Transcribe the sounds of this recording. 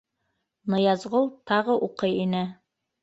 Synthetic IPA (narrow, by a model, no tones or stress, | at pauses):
nɤ̆jɑzʁolˠt̪ɑʁɤʔuqɤjinɘ